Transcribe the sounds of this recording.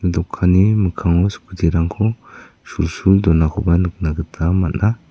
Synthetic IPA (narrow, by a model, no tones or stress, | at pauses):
ɯdɔkʰːaniməkʰaŋɔspʰutʰiɾaŋkʰɔ | sulsuld̪ɔnakʰɔbanɯk̚naɡɯt̪ʰamatnʔa